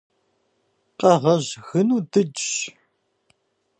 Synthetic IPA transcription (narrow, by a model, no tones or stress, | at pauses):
qʼɐʁɐʑɣɨnuːdɨd͡ʒ